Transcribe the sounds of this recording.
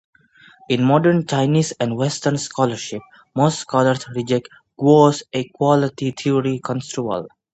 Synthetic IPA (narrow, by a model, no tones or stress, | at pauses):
ɪ̃nmɔɖəɾnt͡ʃaɪniːsɛ̃ɳɖʋɛsʈəɾnskɔləɾʃɪp̚ | moːsʈskɔːləɾsɾid͡ʒek̚ʈ | ɡ̥oːsekwɔlɪʈit̪ʰioɾikɔ̃nsʈɾuə̰l